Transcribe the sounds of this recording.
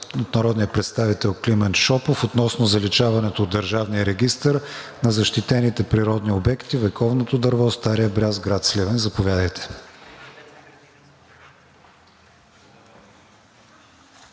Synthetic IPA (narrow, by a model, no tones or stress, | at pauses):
not̪nɐɾɔd̪nijəpɾɛt̪st̪avit̪ɛlˠklimɛnt̪ʃɔpofot̪nɔsnozɐlit͡ʃavɐnɛt̪oːd̪ːɐɾʒavnijəɾɛɡʲist̪əɾ | nɐzɐʃt̪it̪ɛnit̪ɛpɾiɾɔd̪niobɛkt̪ivɛkɔvnot̪od̪ɐɾvɔst̪aɾijəbɾʲazɡɾat̪slɛvɛnzɐpovʲjad̪əjt̪ʰɛ̥